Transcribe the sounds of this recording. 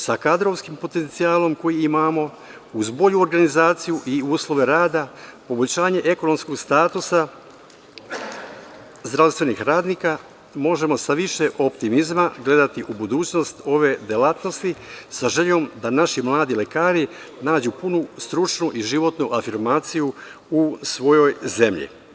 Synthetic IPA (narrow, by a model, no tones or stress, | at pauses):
sakad̪ɾo̞ʋskimpo̞t̪e̞nt̪sijaːlo̞mko̞jiimaːmo̞ | uzbo̞ʎuoɾɡanizaːt̪sijuʔiuːslˠo̞ʋe̞ɾaːd̪apo̞bo̞ʎɕaːɲe̞ʔe̞ko̞no̞msko̞ɡst̪aːt̪usa | zd̪ɾaʋst̪ʋe̞nixɾaːd̪niːka | mo̞ʒe̞mo̞saʋiʃe̞ʔo̞pt̪imizmaɡle̞d̪at̪iʔubud̪uːt͡ɕno̞st̪o̞ʋe̞d̪elat̪no̞st̪isaʒe̞ʎo̞md̪anaʃimlˠaːd̪ile̞kaːɾinaːd͡ʑupunust̪ɾut͡ʃnuʔiʒiʋo̞t̪nuʔafiɾmaːt̪siju | usʋo̞jo̞jze̞mʎḭ